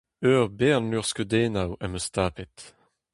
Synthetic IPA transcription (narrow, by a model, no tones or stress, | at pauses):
øʁbeːnlyʁskəd̪eːnawɛməst̪aːpet̪